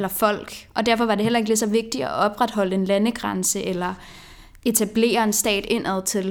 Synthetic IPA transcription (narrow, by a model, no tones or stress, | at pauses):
elɐfɒ̽l̰ɡ̥ʔɒ̽d̥æɐfɒ̽ʋɑ̈de̝ɦelɐe̝ɡ̥lesɒ̽ʋe̝ɡ̥̚d̥iɒɒ̽b̥ʁad̥ɦɒ̽l̰əe̝nlænəɡ̥ʁɑ̈nsəʔelɐ | e̝t͡sʰæb̥le̝̰ːɐe̝nsd̥ɛ̰ːd̥e̝n̰ʔæð̰ˠt͡sʰe̝l